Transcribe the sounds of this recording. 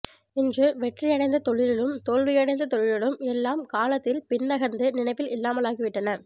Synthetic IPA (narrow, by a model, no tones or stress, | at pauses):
ɪndrɯʋɛʈrɐjɐɽɐɪnd̪ɐt̪ɔɻɪlɪɭɯmt̪oːɻʋɪjɐɽɐɪnd̪ɐt̪ɔɻɪɻɪɭɯmɛlːaːmkaːlɐt̪ːɪlpɪnːɐɣɐnd̪ɯnɪnɐɪpːɪlɪlːaːmɐlaːɣɪʋɪʈːɐnɐ